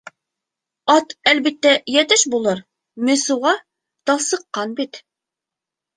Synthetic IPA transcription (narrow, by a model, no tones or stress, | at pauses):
ɑt̪ælbit̪ːæjɛt̪ɘʃbulˠɤɾ | mɵ̆suʁɑ | t̪ɑsɤ̆qːɑnbit̪